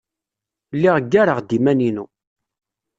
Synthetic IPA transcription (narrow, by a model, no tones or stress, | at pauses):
lːiʁəɡːaɾəʁd̪imæninu